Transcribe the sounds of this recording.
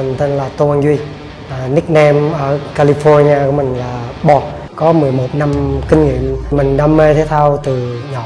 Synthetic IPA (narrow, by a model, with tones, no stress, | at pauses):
ŋt̪e˧nlaː˨˩t̪o˧ʔa˧nzwi˧ | ʔːni˦˥k̚nɛ˧mʔəː˧˩ka˧li˧fɔ˧ɹɲi˧aː˧ku˧˩˦mï˨˩ŋ̟laː˨˩ɓɔ˧˨˩k̚ | kɔ˨˦mɨ˨˩əjmo˨˩t̚na˧mkï˧ŋ̟ŋḭ˧˨əmmï˨˩ŋ̟ɗaː˧˦mːe˧t̪ʰe˨˦t̪ʰa˧wt̪ɨ˨˩ɲɔ˨˩